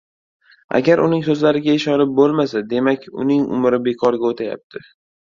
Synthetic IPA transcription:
a̰ɡʲaɾʊnɪŋsɵzlaɾɪɡʲaɪʃɒnɪp̚bolˠmasad̪e̞makʲʊ̰nɪŋʊ̰mɾɪbe̞kʰɒɾɡʲaot̪ʰaja̰p̚t̪ʰɪ

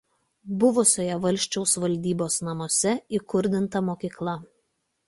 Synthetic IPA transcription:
bʊʋʊsʲoːjɛʋɐlʲˑʃʲt͡ʃʲɛʊsʋɐlʲˑd̪ʲiːboːsnɐmoːsʲɛiˑkʊɾʲd̪ʲɪnt̪ɐmoːkʲiːklˠɐ

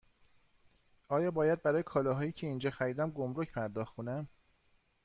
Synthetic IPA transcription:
ʔɒːjɒːbɒːjæd̪̚bæɾɒːjekʰɒːlɒːɦɒːjiːcʰe̞iːnd͡ʒɒːxæɾiːd̪æmɡomɾocpʰæɾd̪ɒːxtʰonæm

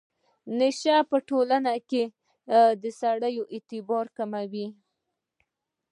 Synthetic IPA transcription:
neʃapəʈolanake | d̪əsaɽəjoʔet̪ɪbɑɾkamawi

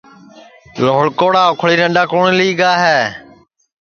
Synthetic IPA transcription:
loːɭkoːɽaːʊkʰɭiːɾəɳɗaːkoːɳliːɡaːɦeː

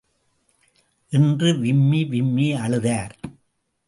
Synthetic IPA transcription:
ʔɪndrɯʋɪmːiʋɪmːiɐɭɯðaːɾ

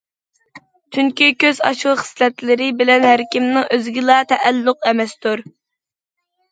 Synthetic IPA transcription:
t͡ʃ̪ʰyŋkʲykʲøzɑ̰ʃχə̥slɛt̪lɪɾɪbɪlɛnhæɾkʲimnɨŋʔøzɡʲilˠɑt̪ʰɛʔælːʊqɛmɛst̪uɾ

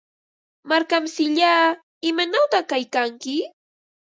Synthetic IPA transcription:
maɾkamsɪʎaː | ɪmanawt̪aχkajkaŋkɪ

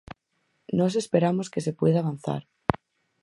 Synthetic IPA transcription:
nos̬espeɾamoskesepweðaːβ̞an̟θa̰ɾ

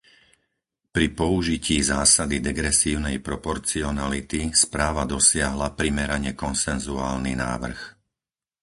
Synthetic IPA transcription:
pɾipɔuʒiciːzaːsad̪id̪ɛɡɾɛsiːʊnɛjpɾɔpɔɾt͡siɔnalit̪ispɾaːʋad̪ɔsɪaɦlapɾimɛɾaɲɛkɔnsɛnzuaːlnina̰ːʋr̩x

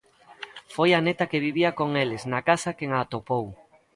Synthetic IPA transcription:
fojanet̪ɐkeβ̞iβiakoŋelɪznakasɐkeŋaːt̪opow

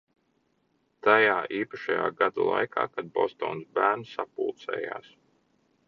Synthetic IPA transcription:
t̪ajaːʔiːpaʃajaːɡad̪alˠa̰jkʰa̰ːkad̪̚bɔst̪ɔːnsbæːɾnsapulˠt̪sɛ̰ːja̰ːs

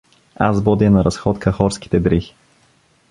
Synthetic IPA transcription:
a̰zbɔd̪inɐɾɐsxɔt̪kʰɐxɔɾskʲi̥t̪ɛd̪ɾix

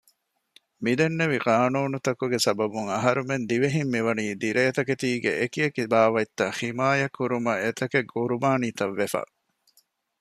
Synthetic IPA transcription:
mid̪enːeʋiqaːnuːnut̪ɐkuɡesɐbɐbuŋɐɦɐɾumend̪iʋeɦimːiʋɐniːd̪iɾejɐt̪ɐket̪iːɡḛʔekiekibaːʋɐit̪ːɐhimaːjɐkːuɾumɐet̪ɐkeɡuɾumaːniːt̪ɐʋːefɐ̰

